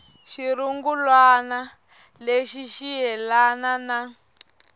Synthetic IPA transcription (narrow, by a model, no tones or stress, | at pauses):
ʃiɾuŋɡulwana | leʃiʃiɦɛlanana